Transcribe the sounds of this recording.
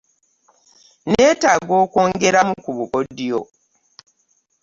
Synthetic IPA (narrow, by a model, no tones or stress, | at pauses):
ne̞ːtaɡo̞ːko̞ːŋɡe̞ɾamukuβukodijo̞